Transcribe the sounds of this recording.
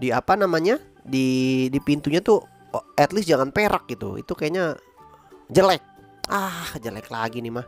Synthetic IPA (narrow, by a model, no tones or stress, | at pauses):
diapanamaɲa | didipint̪uɲat̪u | ɛt̪lɪsd͡ʒaŋanpeɾak̚ɡit̪ṵḭt̪ukajaɲa | d͡ʒəlɛk̚ | ahd͡ʒəlɛklaɡinɪhmah